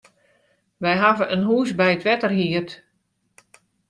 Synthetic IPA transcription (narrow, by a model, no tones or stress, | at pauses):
ʋɛjɦavəʔənɦuːsbɛjətʋɛtərɦiət